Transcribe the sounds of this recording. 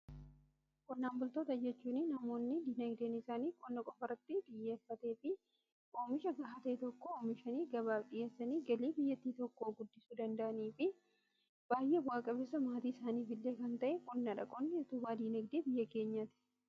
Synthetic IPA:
kʼɔnːaːmbʊlt̪oːt̪ɐd͡ʒɛt͡ʃːuːnɪnɐmo̞ːnːɪd̪iːnɐɡd̪eːnɪsaːniːkʼɔnːɐkʼɔfɐrɐt̪ːɪᶑ̪ɪjːe̞ːfːɐt̪e̞ːfɪ | ʔoːmɪʃɐɡɐɦɐt̪ɐɛt̪ɔkːooːmɪʃɐniːɡɐβaːfɗɪje̞ːsːɐniːɡɐliːbɪjːɐt̪ːiːt̪ɔkːo̞ːɡʊd̪ːɪsuːd̪ɐnd̪ɐʔɐniːfɪ | b̥aːjʔeːwaːkʼɐbɛsɐmaːt̪iːɪsaːniːfɪlːeːkɐnt̪ɐʔɛkʼɔnːɐᶑɐkʼɔnːɪɔt̪ʊbaːd̪iːnɐɡd̪eːbɪjːɐke̞ːɲːɐt̪ɪ̥

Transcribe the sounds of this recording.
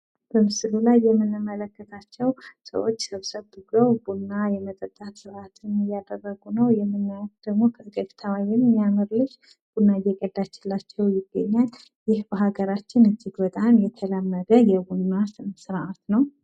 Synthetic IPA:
b̥əmɨsɨlulajːɛmːɨnɨmːələkːət̪ʰat͡ʃːɛwsə̰wo̞t͡ʃːsəβsəβd̪ɨɡəwbunːajɛmət̪ʼət̪ʼːat̪sɨɾʔat̪ʰɨnɨjad̪ərːəɡunəwjɛmːɨnːajat̪d̪̥əɡmo̞kʰəɡətt̪ʰawajɛnɨnjamɨɾlɨʃ | b̥unːajɛkʼəd̪at͡ʃːɪlːat͡ʃːɛwjɪɡːə̰ɲːal | jɪhbəɦaɡəɾat͡ʃːɪnɨnd͡ʒiɡwət̪ʼamjɛt̪ʰələmːəd̪əjɛbunːasɨsɨɾʔat̪nəw

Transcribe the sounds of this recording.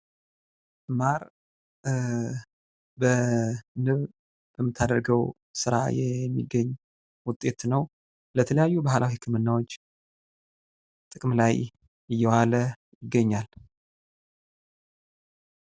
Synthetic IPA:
maɾ | bənɨβ | b̥əmːɨt̪ʰːad̪əɾɡəw | sɨɾa̰jɛmːḭɡːəɲː | wʊt̪ʼe̞t̪nəw | lət̪ʰələjajːubahlʔawihɨkʰːɨmɨnːawot͡ʃː | t̪ʼɨkʼmlaj | ɨjːɛwalə | jɪɡːəɲːal

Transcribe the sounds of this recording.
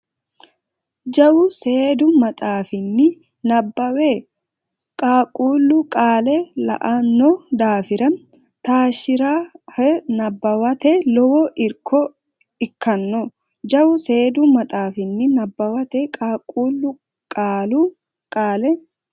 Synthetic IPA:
d͡ʒɐwʊse̞ːd̪ʊmɐt̪ʼaːfɪnːɪ | nɐbːɐwe | kʼaːkʼuːlːʊkʼaːlɛlɐ̰ʔɐnːɔd̪aːfɪɾɐn | t̪aːʃɪɾaːɛnɐbːɐwɐt̪ɛlɔwɔʔɪɾkʰɔ | ɪkːɐnːɔ | d͡ʒɐwʊse̞ːd̪ʊmɐt̪ʼaːfɪnːɪnɐbːɐwɐt̪ɛkʼaːkʼuːlːʊ | kʼaːlu | kʼaːlɛ

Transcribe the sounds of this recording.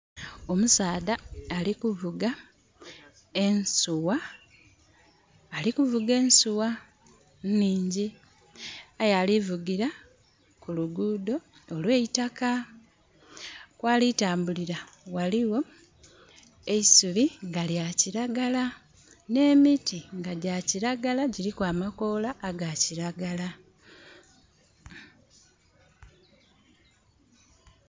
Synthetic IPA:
o̞musaːdaːlikuvuɡa | ensuwa | likuvuɡe̞ːnsuwa | nniːɲɟi | ajalivuɡiɾa | kuluɡuːdo̞ː | lwe̞itaka | kwaːlitaːmbuliɾa | waliwo̞ | e̞isuliŋɡaljaciɾaɡala | ne̞ːmitiŋɡaɟaciɾaɡalaɟiɾikwaːmako̞laːɡaciɾaɡala

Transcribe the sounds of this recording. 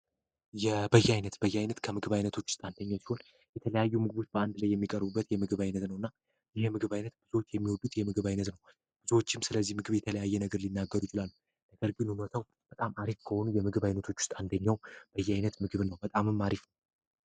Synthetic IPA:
jɛbəjːɛajnət̪bəjːɛajnət̪kʰəmɨɡɨβajnət̪ʰo̞t͡ʃːwʊ̥st̪ʼant̪ʰəɲːawsi̥ho̞n | jɛt̪ʰələjajːumɨɡɨβot͡ʃbəand̪lajːɛmːikʼəɾbubːət̪jɛmɨɡɨβajnət̪nəwɨnːa | jɪhɛmɨɡɨβajnət̪b̥ɨzot͡ʃːjɛmːiwɔd̪ʼːut̪jɛmɨɡɨβajnət̪nəw | b̥ɨzwot͡ʃːɪmsɨləzːihmɨɡɨβjɛt̪ʰələjajːɛnəɡəɾlinːaɡːəɾujɪt͡ʃɪlalːu | nəɡəɾɡɨnunot̪ʰaw | b̥ət̪ʼamʔaɾifkʰəho̞nujɛmɨɡɨβajnət̪ʰo̞t͡ʃːwʊ̥st̪ʼand̪əɲːawb̥əjːɛajnət̪mɨɡɨβnəwbət̪ʼamɨmːaɾifnəw

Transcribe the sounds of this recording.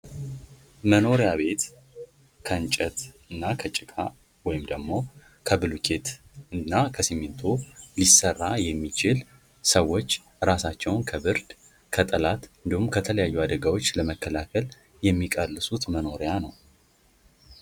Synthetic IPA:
məno̞ɾejaβe̞t̪ | kʰəɨnt͡ʃʼət̪ | ɨnːakʰət͡ʃʼɪkʼa | wɔjɪmd̪əɡmo̞ | kʰəbɨlukʰe̞t̪ | ɨnːakʰəsimɪnt̪ʰolisərːajɛmːit͡ʃɪl | səwːo̞t͡ʃː | ɾasat͡ʃːɛwnkʰəbɨɾd̪ | kʰət̪ʼəlat̪ɨnd̪ihumkʰət̪ʰələjajːuad̪əɡawot͡ʃːləməkːəlakʰəl | jɛmːikʼəlːɨsut̪məno̞ɾejanəw

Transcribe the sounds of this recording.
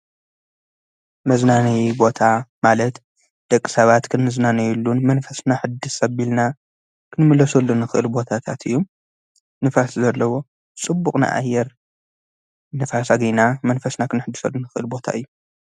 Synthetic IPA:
mɐznanɐjbo̞t̪ʰamalɐt̪ | d̪̥ɐkʼːi̥sɐβat̪kʰɨnɨznanɐjulːunmɐnfɐsnaħɨd̪ɨsɐβilna | kʰɨnmɨlɐsulːunːɨxɨʔɨlbo̞t̪ʰat̪ʰat̪ʰɨ̰jːu | nɨfaszɐlːɐwo̞ | t͡sʼɨbːukʼna̰ʔa̰jːɛɾ | nɨfasaɡinamɐnfɐsnakʰɨnħɨd̪ːɨsɐlːunɨxɨʔɨlbo̞t̪ʰa̰ʔɨjːu

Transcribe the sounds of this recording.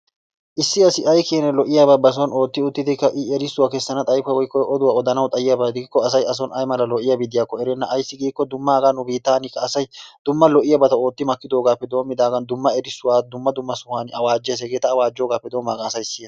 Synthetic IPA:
ʔɪsːɪɐsɪʔɐjkeːnɛlɔʔɪjaːbɐbɐs̬ɔno̞ːt̪ːɪʊt̪ːɪd̪ɪkːɐʔɪɛɾɪsːʊwaːkɛsːɐnɐt̪ʼɐjfɐwɔjkːɔʔɔd̪ʊwaːɔd̪ɐnɐwt̪ʼɐjɪjaːbɐd̪ɪɡkːɔɐsɐjɐs̬ɔnɐjmɐlɐlɔʔɪjɐbɪd̪ɪjaːkːɔɛɾɛnːɐʔːjsːɪɡiːkːɔd̪ʊmːaːɡanːʊbiːt̪ːaːnɪkːɐːsɐjd̪̥ʊmːɐlɔʔɪjɐbɐt̪ɐo̞ːt̪ːɪmɐkːɪd̪o̞ːɡaːpːɛd̪o̞ːmːɪd̪aːɡɐnd̪ʊmːɐɛɾɪsːʊwaːd̪ʊmːɐd̪ʊmːɐsʊhaːnɪɐwaːd͡ʒːɪjɐs̬ɛɡe̞ːt̪ɐːwaːd͡ʒːo̞ːɡaːpːɛd̪oːmːaːɡɐnɐsɐjsɪ

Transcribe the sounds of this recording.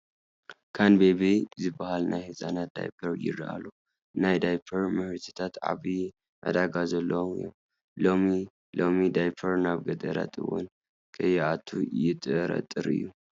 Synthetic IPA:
kʰanbebezɨbːahalnajhɨsʼanat̪̚d̪̥a̰jpʰɐɾjɪ̰rʔa̰lo | najd̪ajpʰɐɾmɨhɨɾt̪ʰɨ̥t̪ʰat̪ʕa̰βi | ʔa̰d̪aɡazɐlːɐwomɨ̰jo̰m | lomi | lomid̪ajpʰɐɾnaβɡɐt̪ʼɐɾa̰t̪ʼʰɨ̰wɔ̰n | kʰɨjɛʔat̪ʰːujɪt̪ʼɨɾɐ̰t̪ʼːɨɾɨ̰jːu

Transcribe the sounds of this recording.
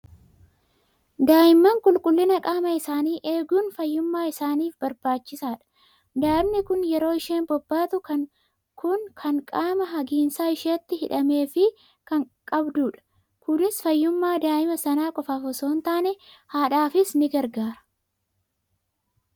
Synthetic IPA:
d̪aːɪmːɐŋkʼʊlkʼʊlːɪnɐkʼaːmɐɪsaːniːʔeːɡuːnfɐjːʊmːaːɪsaːniːfbɐɾbaːt͡ʃːɪsaːᶑɐ̥ | d̪aːɪmnɪkʊnjɛɾo̞ːɪʃe̞ːnbɔbːaːt̪ʊɐ | kʰʊnkʰɐŋkʼaːmɐɦɐɡiːnsaːɪʃeːt̪ːɪhɪᶑɐme̞ːfɪ | kɐŋkʼɐbd̪uːᶑɐ̥ | kʊd̪ɪsfɐjːʊmːaːd̪aːʔɪmɐsɐnaːkʼɔfaːfɔso̞ːnt̪aːnɛhaːᶑaːfɪsnɪɡɐɾɡaːɾɐ̥

